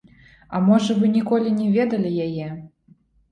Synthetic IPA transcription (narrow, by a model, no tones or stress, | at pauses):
ɐmɔʐɐvɨnʲikɔlʲinʲɛvʲɛd̪ɐlʲijajɛ